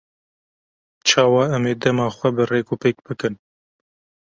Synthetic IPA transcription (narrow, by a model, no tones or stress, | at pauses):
t͡ʃʰɑːwɑːɛmeːd̪ɛmɑːxʷɛbɨreːkuːpeːk̚b̥ɨkɨn